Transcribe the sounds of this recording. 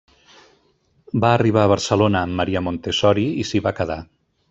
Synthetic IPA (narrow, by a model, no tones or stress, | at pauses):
baːriβ̞aəβ̞ərsəlonəːmːəɾiəmont̪esɔɾiisiβakəða